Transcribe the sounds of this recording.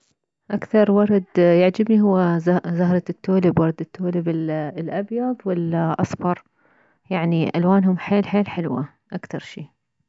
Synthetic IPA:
ʔakθɑɾˤwɑɾˤɑd̪jɪʕd͡ʒabniɦʊwːazahɾˤɑt̪ːoːlɪbwɑɾˤd̪ɪt̪ːoːlɪbɪlʔɑbjɑðˤwɪlʔɑsˤbɑɾˤ | jaʕniʔalwaːnɦʊmħeːlħeːlħɪlwa | ʔakθɑɾˤʃiː

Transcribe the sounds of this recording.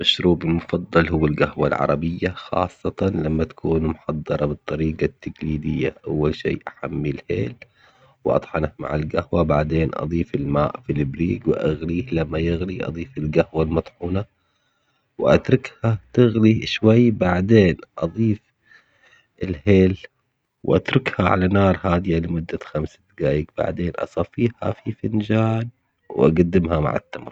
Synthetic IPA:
maʃɾuːbɪlmʊfɑd̪ˤːɑlhʊwːalɡahwalʕɑ̰ɾˤɑbɪjːaxɑ̰ːsˤːɑt̪ɑnlamːat̪ḁkʰuːnmʊħɑd̪ˤːɑɾˤɑbɨt̪ˤːɑɾiːɡɑt̪ːaɡliːd̪ɪjːa̰ʔawːalʃḭːʔaħamːilhḛːl | wʔɑ̰t̪ˤħɑnatma̰ʕɪlɡahwabaʕd̪eːnʔɑ̰ðˤiːfɪlmaːʔfilɪbɾiːɡwɪʔaɣliːhlamːajɪɣliʔɑ̰d̪ˤiːfɪlɡahwalmɑt̪ˤħuːna | wʔa̰t̪ɾˤʊkhat̪ɪɣliʃwajːbaʕd̪eːnʔɑðˤiːf | ɪlheːl | wʔa̰t̪ɾˤʊkhaʕa̰lanɑːɾˤhaːd̪ɪjalɪmʊd̪ːaxamsad̪ɡaːjɪɡb̥a̰ʕd̪eːnʔɑ̰sˤɑfiːha̰fifɪnd͡ʒaːn | wʔa̰ɡad̪ːɪmhama̰ʕɪ̰t̪ːamɾˤ

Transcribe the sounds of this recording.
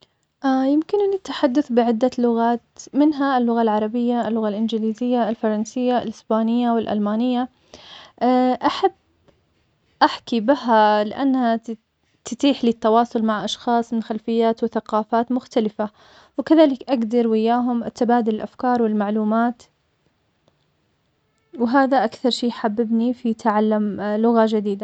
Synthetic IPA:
ʔajɪmkɪnnɪt̪ːḁħad̪ːʊθbɪʕɪd̪ːalʊɣaːt̪mɪnɦaɪlːʊɣalʕɑɾˤɑbɪjːaɪlːʊɣalʔɪnd͡ʒɪliːzɪjːaːlfɑɾˤɑnsɪjːa̰lʔɪsbaːnɪjːawɪlʔa̰lmaːnɪjːa | ʔaħabː | ʔaħkibɪalɪʔanːha | t̪ɪt̪iːħliːt̪ːɑwɑːsˤʊlmaʕʔɑʃxɑːsˤmɪnxalfɪjːaːt̪wɪθaqɑːfaːt̪mʊxt̪alɪfa | wɪkaðaːlɪkʔaɡd̪ɑɾˤwɪjːaːɦʊmʔt̪abaːd̪ɪlɪlʔafkɑːɾˤwɪlmaʕluːmaːt̪ | wɪɦaːðaʔakθɑɾˤʃiːjħabːɪbnifit̪ʕalːamlʊɣad͡ʒad̪iːd̪a

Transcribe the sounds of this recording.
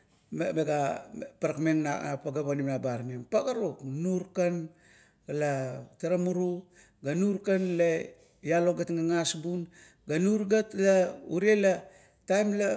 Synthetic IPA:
memeɡapaɾakmeŋnanapaɡaβanimnabaɾnempaɡaɾoknuɾkan | ɡalataɾamuɾu | ɡanuɾkanle | jaloɡatŋaŋasbun | ɡanuɾɡatlauɾiela | tajmla

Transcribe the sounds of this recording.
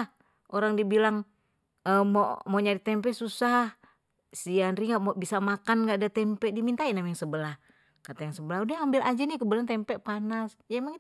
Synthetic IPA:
ʔoɾaŋdibilaŋ | əmoʔmoɲaɾit̪ɛmpɛsusah | sianɾiŋɡaʔmobisamakanɡadat̪ɛmpɛʔdimint̪ainamajaŋsəbəlah | kat̪ajaŋsəbəlahudɛambilʔad͡ʒanikəbəɾant̪ɛmpɛʔpanas | d͡ʒaimaŋ

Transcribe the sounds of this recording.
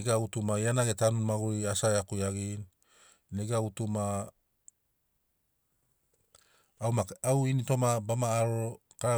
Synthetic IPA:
ɡeautumajanaɡetanunmaɡuiasaeakujaɡin | neɡeautuma | wmaawinito̞mabamaːɾo | kaa

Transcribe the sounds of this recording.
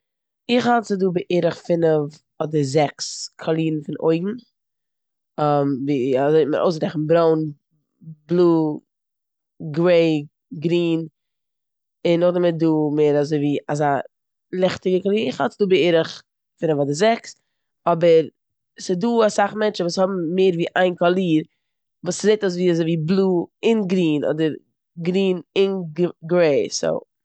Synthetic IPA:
ɪχhalˠtsɪduːbəʔeɾəχfɪnəv | ɔdəzɛkskʰɔlˠiːnn̩fɪnʔo̰ɪɡŋ̩ | amviːazoɪmə̰ɾʔo̰ʊsɡɾɛχn̩bɾoʊn | blˠuː | ɡɾeɪ | ɡɾiːn | ɪnːʊχdamɪt̚duːmeːɾazoɪviːazaː | lˠɛχtɪɡəkɔlˠiːɾɪχhɔt͡sduːbəɪɾəχ | fɪnəvadɪzɛks | ɔbəɾ | sɪduːasaχmɛnt͡ʃn̩vuːshɔbm̩meːɾviːʔaɪnkɔlˠiːɾ | vuːszeɪtas̬viːazoɪviːblˠuːɪnɡɾiːnʔɔ̰dəɾ | ɡɾiːnɪnɡɾeɪso̰ʊ

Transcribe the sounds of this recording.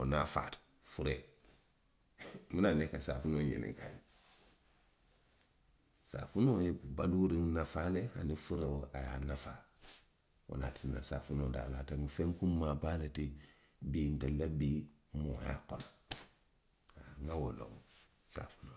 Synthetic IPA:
onafa̰ti̥ | fuɾe | munanekasafunoːɲḭnḭŋkaji | sa̰funojebubaluɾiŋnafalehanifuɾewoaja̰nafa | o̰natina̰sa̰funoda̰ːlataŋifeŋkummabaleti | biːntalabi | moja̰kona | aaŋawolo̰wosa̰fu̥no

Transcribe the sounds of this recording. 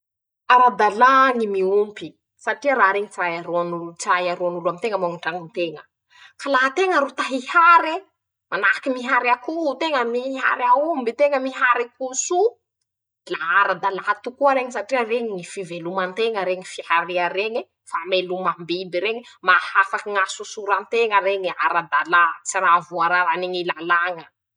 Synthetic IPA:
aɾad̪alaŋimiumpi | saʈ͡ʂiəɾaɾeɲit͡sajaɾoanulut͡sajaɾoanuluamit̪eŋəmaŋuɳʈ͡ʂaŋint̪eŋə | kalaɦt̪eŋaɾut̪aɦihaɾe | manaakimiɦaɾakut̪eŋəmiɦa̰ɾaumbit̪eŋəmiɦaɾikusu | laaɾad̪alat̪ukuaɾeɲisaʈ͡ʂiəreɲiŋifivelumant̪eŋəɾeɲifihaɾiəɾeɲi | famelumambibiɾeɲimahafakiŋasusuɾant̪eŋəɾeɲiaɾad̪alat͡siravuaɾaɾaneɲilalaŋə

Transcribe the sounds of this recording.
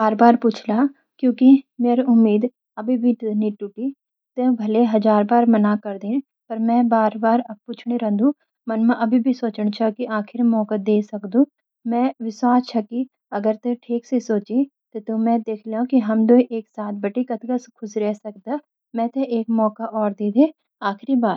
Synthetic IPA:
baːɾbaːɾpuːt͡ʃʰla | kjõːkimeːɾʊmːiːd̪ | ɐbʱibʱit̪niʈuʈi | t̪ebʱɐleɦɐzaːɾbaːɾmɐnakɐɾd̪ẽː | pɐɾmɛ̃baːɾbaːɾɐb̚puːt͡ʃʰɽ̃eɾɐ̃ːd̪ũ | mɐnmãʔɐbʱibʱisoːt͡ʃəɽ̃t͡ʃʰakiʔaːkʰɪɾmɔːkəd̪eːsɐkd̪ũː | mɛ̃ʋɪswaːst͡ʃʰɐki | ɐɡəɾt̪eʈʰiːksesoːt͡ʃi | t̪ot̪omɛ̃d̪eːkʰleõkiɦɐmd̪oiʔeːksaːt̪̚ʰbɐʈikɐt̪ɡɐskʰʊsɾɛɦsɐk̚d̪a | mɛ̃t̪eʔeːkmɔːkaʔɔːɾd̪eːd̪e | aːxʰɾibaːɾ

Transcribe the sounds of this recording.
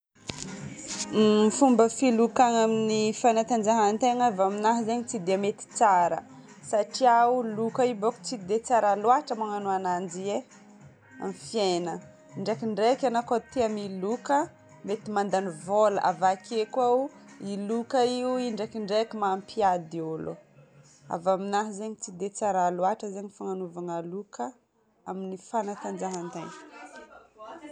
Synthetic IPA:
ifumbəfilukaŋaminifanat̪and͡ʒaɦant̪eŋavaminaɦzeɲit͡sid̪emet̪i̥t͡saɾə̰ | saʈ͡ʂiaulukaiboku̥t͡sid̪et͡saɾalwaʈ͡ʂəmaŋanuanand͡ʒie | a̰mfjenə | iɳɖ͡ʐakiɳɖ͡ʐekanakot̪iamilukə | met̪imand̪anivoləʔa̰vakʰekwauilukaiuiɳɖ͡ʐakiɳɖ͡ʐekimaːmpʰiad̪iolo̰ | a̰vaminaɦzeɲit͡sid̪et͡saɾalwaʈ͡ʂəzeɲifaŋanuvaŋalukə | aminifanat̪and͡ʒaɦant̪an

